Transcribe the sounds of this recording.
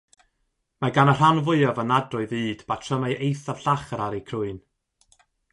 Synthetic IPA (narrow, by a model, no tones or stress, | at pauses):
maɡanər̥anvʊɨɔvənadrʊɨðɨːd̥batʰrəmaʔejθav̥ɬaχəɾaɾikʰrʊɨn